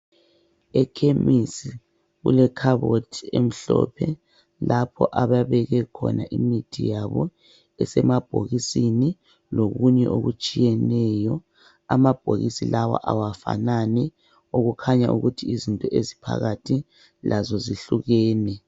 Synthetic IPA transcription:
ɛkʰemisi | ɣṵlɛkʰaβotʰiem̩ɬɔ̰pʰɛ | lapʰɔʔaβaβɛɣɛkʰɔ̰nʔaʔimitʰijaβɔ | ɛsɛmab̥ʱo̰ɣisini | loɣuɲɛʔoɣut͡ʃʼijɛnɛjɔ | amab̥ʱoɣisilawa̰ʔawafa̰nanɛ | oɣukʰaɲaʔuɣutʰiizintʼɔʔezipʰa̰ɣatʰi | lʔazɔziɬuɣɛːnɛ

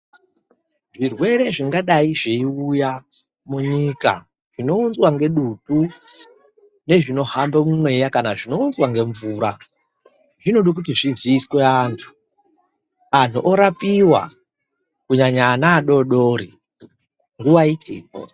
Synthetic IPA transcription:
ʐirwe̞ɾe̞ʐiŋɡaɗaiʐeiuja | muɲika̰ | ʐ̥ino̞und͡zwaŋɡe̞ɗutu | ne̞ʐino̞hambemumwe̞jakanaʐino̞unzwaŋɡe̞ɱvuːɾa | ʐino̞ɗik̬utiʐiziːsweaːntʰu̥ | an̤uʔoɾapiwa̰ | kuɲaɲaːnaːɗo̞ɗoːɾi | ŋɡuwaitḭːko̰

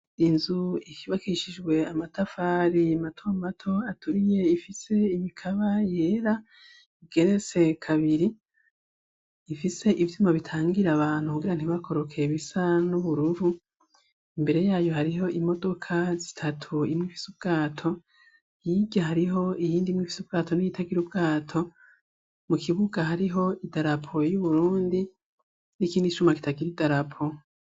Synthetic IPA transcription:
inzuikiβakiʃid͡ʒɡwe̞amatafaːɾiamatʰo̞matʰo̞atuɾije̞ifise̞imikʰaβaje̞ːɾa | iɡe̞ɾe̞t͡se̞kʰaβiɾi | fise̞ʔivjuːmaβitʰaːŋɡiɾaβaːn̥hukuɡiɾan̥hiβako̞ɾo̞kʰe̞βisanuβuɾuvu | imbe̞ɾe̞jaːjo̞haɾiɦo̞ʔimo̞do̞kʰazi̥tʰatʰuimŋifi̥sub̚ɡ̥aːtʰo̞ | jibɟahaɾiɦo̞ijiːndimŋifi̥sub̚ɡaːtʰo̞nijitʰaɡiɾubɡaːtʰo̞ | mukʰiβuɡahaɾiɦo̞idaɾapʰo̞juβuɾuːndi | nikiːndiʃumaki̥taɡiɾidaɾapʰo̞

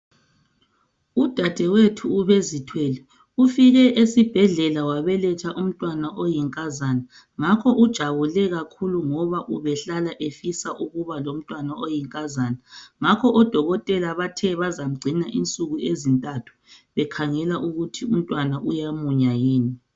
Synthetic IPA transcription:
ud̥ʱad̥ʱɛwetʰuːβezitʰweli | ufiɣɛʔesib̥ʱɛɮɛlawaβɛlɛtʰaʔum̩tʼwanaʔojiŋkʼazana | ŋakʰɔʔud̥ʒ̥ʱaβulɛɣakʰuluŋɔβaʔuβɛɬalaʔefisaʔuɣuβalom̩tʼwanaojiŋkʼazaːnaŋakʰɔʔɔd̥ʱɔɣɔtʼɛlaβatʰɛβazam̩ɡ͡ǀʱinaʔint͡sʼuɣuezintʼatʰu̥βɛkʰaŋɛlaʔuɣutʰium̩tʼwanaʔujamuɲajiːni

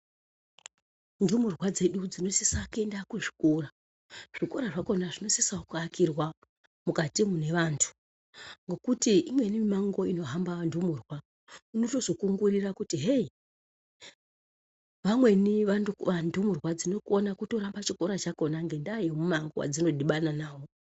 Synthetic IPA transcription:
ndumurwad͡ze̞ɗud͡zino̞sesakendakuʐi̥kora | ʐ̥ikoɾaʐako̞naʐino̞sisaukuakirwa | mukatimune̞ʋaːntʰu̥ | ŋɡo̞kutiʔimwe̞nimimaŋɡo̞ino̞ɦambandumurwa | unoto̞zo̞kuŋɡurirakutiɦei | ʋamwe̞niʋanʋandumurwad͡zino̞konakuto̞ɾambat͡ʃiko̞ɾat͡ʃako̞naŋɡe̞ndajemumaŋɡowa̰d͡zino̞ɗiɓananaːwo̞

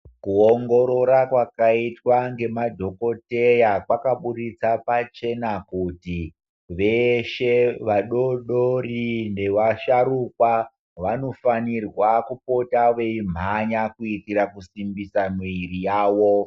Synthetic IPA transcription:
kuoŋɡo̞ɾoɾakwakaitwaŋɡe̞madʱo̞ko̞te̞jakwakaɓuɾit͡sapat͡ʃe̞nakuti | ʋeʃe̞ʋaɗo̞ɗorinde̞ʋaʃaɾukwa | ʋano̞fanirwakupo̞taʋe̞im̤aɲakuitiɾakusimbisamiiɾijaːwo

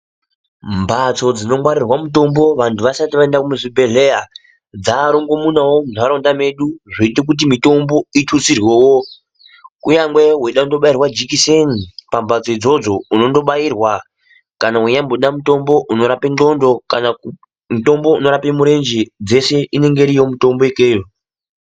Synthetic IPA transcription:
mbat͡sod͡zino̞mwaɾirwamuto̞mbo̞ʋantʰuʋasatiʋaendakumuʐibʱe̞ɮe̞ja | d͡zaːɾoŋɡo̞munawomunaɾo̞ndame̞ɗuʐeit̬ek̬ut̬imito̞mbo̞itʰusirwewo | kuɲaŋɡwe̞ɦweɗaundo̞ɓairwad͡ʒikisenipambad͡zoid͡zo̞d͡zo̞uno̞ndo̞ɓairwa | kanaweɲamboɗamuto̞mbo̞ʔuno̞ɾapendo̞ndo̞kana | muto̞mbo̞uno̞ɾape̞muɾe̞nd͡ʒed͡ze̞se̞ʔine̞ŋɡe̞ɾiomuto̞mbo̞ekeːjo

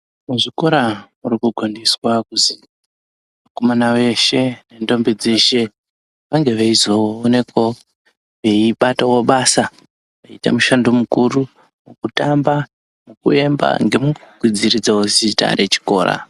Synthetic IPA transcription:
muʐiko̞ɾamurikuɡʱandiswakuzi | mako̞manawe̞ʃe̞ne̞ndo̞mbid͡ze̞ʃe̞ | ʋaŋɡe̞ʋeizowoone̞ko | ʋe̞iɓatawoɓasa | ʋaita̰muʃandomukuru | mukutamba | mukue̞mba̰ŋɡe̞muɡuɡʱwid͡ziɾid͡zawozita̰ɾʔe̞t͡ʃi̥ko̞ːɾa̰

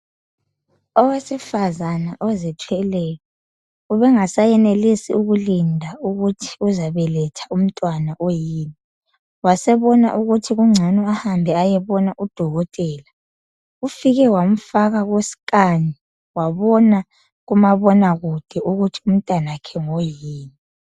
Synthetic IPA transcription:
ɔwesifazanaʔɔzɛtʰwɛlɛjɔ | uβɛŋasajɛnelisḭuɣulindʱauɣutʰi̥uzaβɛlɛtʰḁum̩tʼwanaʔojiːni | wasɛβɔna̰ʔuɣutʰiɣuŋ͡ǀʱɛnɔahambʱɛajɛβɔnaʔud̥ʱɔɣɔtʼɛːla | ufiɣɛwam̩faɣaɣwesi̥kʼaɲi | waβɔna | ɣumaβɔnaɣud̥ʱɛuɣutʰi̥um̩tʼanakʰɛŋojiːni

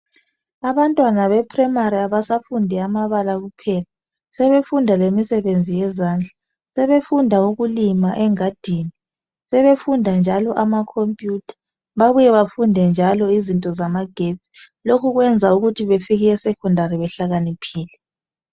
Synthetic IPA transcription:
aβantʼwanaβɛpʰʼrɛmaɾiaβasafundʱɛamaβalaɣupʰɛla | sɛβefundʱalemisɛβend͡zʱijɛzaːnd͡ɮʱḁ | sɛβefundʱauɣulimaʔɛŋad̥ʱiːni | sɛβefundʱand͡ʒʱalɔʔamakʰompʼjutʰḁ | βaβujɛβafundʱɛnd͡ʒʱalɔizintʼɔzamaɡ̥ʱet͡sʼi̥ | lokʰuɣwɛnd͡zʱauɣutʰiβefiɣɛɛsɛkʰɔndʱaɾiβɛɬaɣanipʰiːlɛ

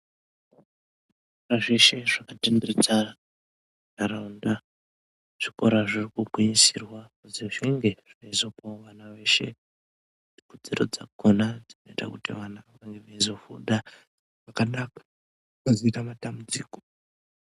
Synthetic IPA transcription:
ʐiikoɾaʐe̞ʃe̞ʐakatimbirit͡saa | naɾaunda | ʐ̥ikoɾaʐirikubʱwiɲisirwakuziʐiŋɡe̞ʐ̥inaizo̞paʋanaʋe̞ːʃe̞̰ | nikud͡ziɾo̞̰d͡za̰konad͡zino̞ita̰kutḭʋanakaŋɡeʋaizofuɗa | ʐakanakḁ | kazoitamatambud͡ziːko

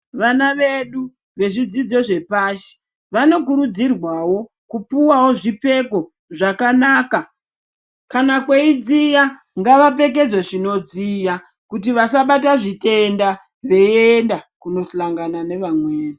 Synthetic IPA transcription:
ʋanaʋe̞ɗu | ʋe̞ʐid͡zid͡zo̞ʐe̞paːʃe̥ | ʋano̞k̬uɾud͡zirwawo̞ | kupuwawo̞ʐipe̞ko̞ | ʐakanaːka | kanakweid͡zija | ŋɡaʋape̞k̬e̞d͡zoʐino̞d͡zija | kutiʋasaɓataʐite̞nda | ʋe̞endakuno̞ɬlaŋɡanane̞ʋamweːni

